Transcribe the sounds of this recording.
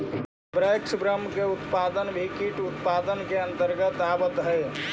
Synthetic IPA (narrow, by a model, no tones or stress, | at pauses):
bɾəjksbɾəmːkeut̪pad̪ənbʱikiʈut̪pad̪ənkeənt̪əɾɡət̪abət̪ɦəj